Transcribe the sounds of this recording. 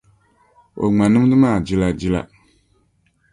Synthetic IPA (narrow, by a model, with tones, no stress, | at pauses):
o̰˨ŋ͡ma˨nɨ˦m˦dɨ˦maː˦˨d͡ʒi˦la˨d͡ʒi˦la̰˨